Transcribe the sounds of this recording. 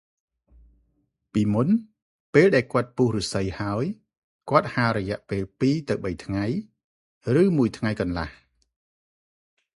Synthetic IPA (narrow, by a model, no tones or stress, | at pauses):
piːmun | peːlɗaɛlkŏət̪̚puːhrusɨjhaəj | kŏət̪̚haɾɔjɛ̆əʔpeːlpiːt̪ɨwɓəjt̪ʰŋaj | rɨːmuəjt̪ʰŋajkɑnla̰h